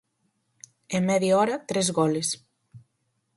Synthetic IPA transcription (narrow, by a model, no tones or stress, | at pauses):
emːɛðiɔɾat̪ɾɛzɣɔles